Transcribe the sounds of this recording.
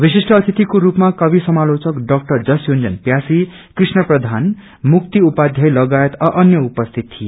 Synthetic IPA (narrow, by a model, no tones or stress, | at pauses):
bisisʈʌːt̪ʰit̪ikoɾupmakʌbisʌmalot͡sʌkɖʌk̚ʈʌrd͡zʌsjond͡zʌ̰npjasi | krisnʌprʌd̪ʱan | muk̚t̪iupad̪ʱjʌjlʌɡajet̪ʌʔʌnjʌupʌst̪ʰit̪ʰije